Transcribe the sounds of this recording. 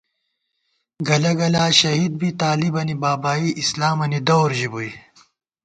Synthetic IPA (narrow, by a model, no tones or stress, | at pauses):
ɡɐlɐɡɐlaːɕɐɦid̪̚bit̪aːlibɐnibaːbaːiʔislaːmɐnid̪ɐwɾʑibui